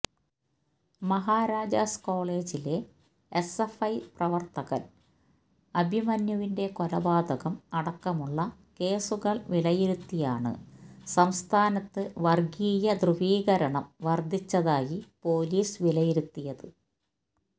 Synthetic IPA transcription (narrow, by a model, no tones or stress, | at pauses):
mɐɦaːɾaːd͡ʑasko̞ːɭe̞ːd͡ʑile̞ | esefɐjprɐʋɐrt̪ɐɣɐl | ɐbʱimɐnjɐʋinde̞kolɐbaːd̪ʱɐɣɐmɐɽɐkːɐmuɭːɐ | ke̞ːsuɣɐɭʋilɐjiɾut̪ːijaːɳɨ̰sɐmst̪ʰaːnɐt̪ːɨʋɐrɡiːjɐd̪rɨʋiːɣɐɾɐɳɐmʋɐrd̪ʱit͡ɕːɐðaːjipo̞ːliːsʋilɐjiɾut̪ːijɐðɨ